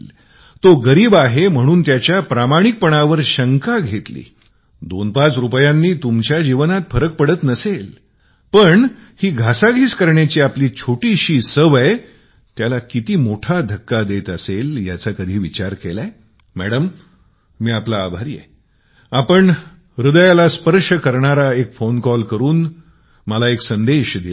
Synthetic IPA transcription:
l | t̪oɡəɾiːbaɦem̤əɽ̃uːnt̪jat͡ɕjapɾamaɽ̃ik̚pəɳ̃aʋəɾɕəŋkaɡʱet̪lḭː | d̪onpat͡sɾupjãnːiːt̪umt͡ɕjad͡ʑiʋənat̪̚fəɾək̚pəɽət̪nəsel | pəɳhiːɡʱasaɡʱiːskəɾɳjat͡ɕiːapliːt͡ɕʰoʈiːɕiːsəʋəj | t̪jalakit̪iːmoʈʰad̪ʱəkːad̪et̪əseljat͡sakəd̪ʱiːʋit͡ɕaɾkelae | mæɽəmː | iːapla̰ːbʱaɾiːjḛ | apəɳ | ɾud̪əjalaspəɾʂəkəɾɳaɾaekfonkɔlkəɾuːn | məlaeksənd̪eɕd̪il

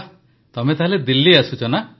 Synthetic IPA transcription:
t̪ɔmet̪aɦaled̪ilːiasut͡ʃʰɔna

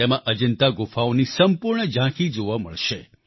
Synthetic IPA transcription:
emãʔəd͡ʒənt̪aɡʊfaonisəmpʊɾɳəd͡ʒãkʰid͡ʒoʋamə̰ɭʃe

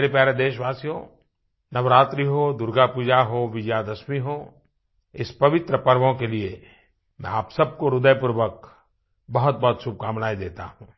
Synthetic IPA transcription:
eɾipjaːɾed̪eːʃʋaːsijõ | nɐʋɾaːt̪ɾiɦod̪ʊɾɡapuːd͡ʒaɦoʋɪd͡ʒjaːd̪ɐsmiɦo | ɪspɐʋɪt̪ɾəpɐɾʋõkelie | mɛ̰̃aːpsɐb̚koɾʊd̪əjpʊɾʋək | bɐɦʊt̪̚bɐɦt̪ʃʊb̚kaːmnaːid̪eːt̪a̰ɦũː

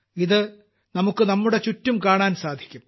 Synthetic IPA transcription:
iðɨ | nɐmukːɨnɐmːuɽe̞t͡ɕutːumkaːɳaːnsaːd̪ʱi̥kʲːum

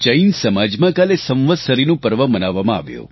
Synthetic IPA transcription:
t͡ʃəinsəmad͡ʒmãkalesə̃ʋʋəd̪səɾinũpəɾʋəmənaʋːamãa̰ʋjo̰

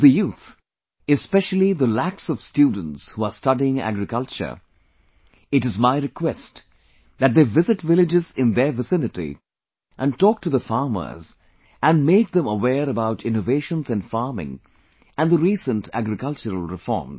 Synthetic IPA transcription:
ðəjuːt̪ | ɨspɛʃəl̩ˠiðəlæksɔv̥stjuːdⁿə̃n̩tshuəstʌdiɪ̃ŋæ̰ɡɾɨkʌlˠt͡ʃə̰˞ | ɨtɨzmaɪɾɨkʰwɛst | ðæt̚d̪eːvɪzɨtvɪlɪd͡ʒɪzɪ̃nðəvɨsɪ̃nɨtḭ | ʔə̃ntɔːk̚ʈʰuðəfɑːɹmə̰˞z | ʔæ̃nmeɪk̚d̪ə̃məwɛːɾəbaʊʈʰɪ̃noveɪʃə̃nzɨ̃nfɑːɹmɪ̰̃ŋ | ʔæ̃nðəɾiːsə̃ntʰæ̰ɡɾɨkʌlˠt͡ʃəɾəlˠɹɪfɔ̰ːm

